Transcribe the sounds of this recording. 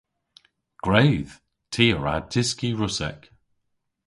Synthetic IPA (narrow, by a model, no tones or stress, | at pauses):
ɡ̥ɹeɪð̥ | tʰiːəɹa̰tʰɪskiɹʊsɛ̰k